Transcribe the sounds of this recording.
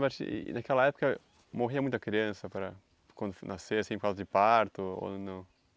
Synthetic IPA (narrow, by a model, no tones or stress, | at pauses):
paɾt͡ʃḭɪ̰nakɛlɐɛpʊ̥kɐ | moɦiɐmũt̪ɐkɾiɐ̃sɐpɾɐ | kwɐ̃nd̪ʊnʔaseasĩpɾkawzɐd͡ʒɪpaɾt̪ʊo̰nɐ̃w̃